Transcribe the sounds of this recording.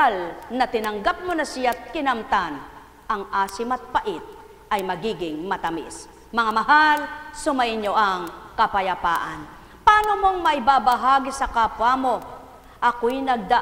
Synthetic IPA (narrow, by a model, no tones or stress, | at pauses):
alnɐt̪ɪnɐŋɡap̚monɐsɪjat̪̚kɪnɐmt̪an | ɐŋʔaːsɪmɐt̪̚paʔɪt̪̚ | ʔɐjmɐɡiːɡɪŋmɐt̪ɐmɪ̰s | mɐŋamɐɦalsʊmɐʔɪɲoʔɐŋkɐpajapa̰ːʔa̰n | paːnomoŋmɐɪbabaɦaːɡisɐkapwamo | ʔɐkojnɐɡ̚d̪a